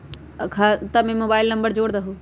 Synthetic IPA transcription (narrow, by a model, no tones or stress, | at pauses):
kʰaːt̪ɐmẽmoːbaːɪlnɐ̃mbəɾd͡ʑoːɽd̪aɦoː